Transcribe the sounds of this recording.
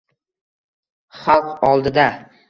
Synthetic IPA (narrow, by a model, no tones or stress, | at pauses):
χɑlˠqɒlˠd̪ɪd̪a